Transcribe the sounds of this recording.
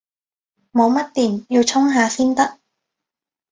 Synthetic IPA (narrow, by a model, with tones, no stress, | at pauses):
mo˨˧wmɐ˥t̚t̪iː˨˩njiː˧wt͡sʰʊ˥ŋɦaː˨˧fiː˥nt̪ɐ˥k̚